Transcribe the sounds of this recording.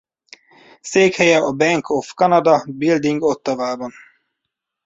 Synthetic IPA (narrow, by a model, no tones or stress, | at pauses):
seːkhɛjɛʔɒbɛŋkʰofkɒnɒd̪ɒbild̪iŋɡo̞t̪ːɒvaːbɒn